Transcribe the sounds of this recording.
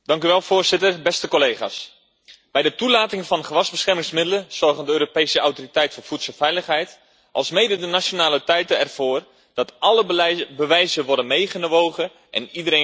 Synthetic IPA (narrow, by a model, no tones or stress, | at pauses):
d̥ɑŋkyʋɛlˠfoːrz̥ɪtərbɛstəkolejχa̰ːs | b̥ɛjdətulaːtɪŋəfɑnχəʋɑzbəsχɛrmɪŋsmɪdələnsɔrɣəndəøːɾopejsəawtoritɛjtfoːfutsəlˠfɛjləχɦɛjt | ʔɑlˠsmejdədənasonaːlətɛjtəɛrv̥oːr | d̥ɑtʔɑləbəʋɛjzəʋɔrdənmejχənʋowɣə | ʔɛ̰nidəɾe